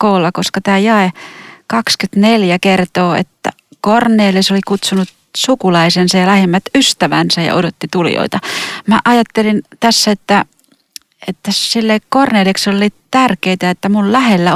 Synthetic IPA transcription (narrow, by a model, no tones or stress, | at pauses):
koːlːɑkoskɑt̪æːjɑekɑkskyt̪neljækert̪oːḛt̪ːæ̰ | korneːlisolikut̪sunut̪ | sukulɑisensɑjjɑlæhemːæt̪yst̪æʋæ̰nsæjɑ̰ʔodot̪ːit̪uljo̰it̪ɑmæʔɑjɑt̪ːelint̪æsːæet̪ːæ | et̪ːæsilːeikkorneːleksollːitt̪ærkeit̪æet̪ːæmullæhelːæ